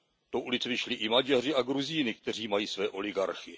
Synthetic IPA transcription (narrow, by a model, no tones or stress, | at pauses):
t̪oʔulɪt͡svɪʃlɪʔɪmad͡ʒarɪaɡɾuziːnɪkt̪ɛr̝iːmajiːsvɛːʔo̞lɪɡaɾxɪ